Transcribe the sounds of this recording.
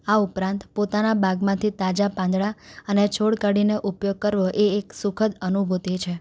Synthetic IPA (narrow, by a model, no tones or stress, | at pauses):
aupɾãnt̪pot̪anabaɡmãt̪ʰit̪ad͡ʒapãnd̪ɭaənet͡ʃʰoɽkaɽineʔupjoɡ̚kəɾʋoʔeːksukʰəd̪ənubʱot̪et͡ʃʰe